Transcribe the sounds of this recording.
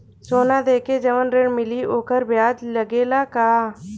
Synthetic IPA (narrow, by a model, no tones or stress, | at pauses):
soːnaːd̪eːkeːd͡ʒəʋənɾeɳmɪliːʔoːkəɾbɪjaːd͡ʒləɡeːlaːkaː